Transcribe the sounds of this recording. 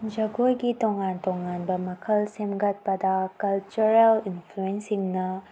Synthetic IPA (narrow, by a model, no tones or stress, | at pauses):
d͡ʒɐɡojɡitɔŋantɔŋanbɐmɐkʰɐlsemɡɐt̚pɐd̪ɐkɐlt͡ʃuɾelinpʰluensiŋnɐ